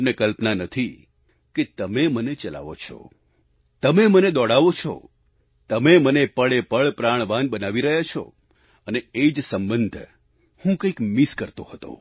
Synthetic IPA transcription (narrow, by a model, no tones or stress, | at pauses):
mnekəlpnanət̪ʰi | ket̪əmemənet͡ʃəla̰ʋo̰t͡ʃʰɔ̰ | t̪əmeməned̪ɔɽaʋot͡ʃʰɔ̰ | t̪əmemənepəɭepəɭpɾaɳ̃ʋanbənaʋiɾəɦjat͡ʃʰɔ̰ | əneed͡ʒsəmbənd̪ʱ | hũkəikmiskəɾt̪ohət̪o̰